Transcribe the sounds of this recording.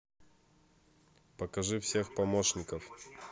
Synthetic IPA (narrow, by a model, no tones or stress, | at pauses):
pəkɐʐɨfsʲe̞xpɐmoʂnʲɪkəf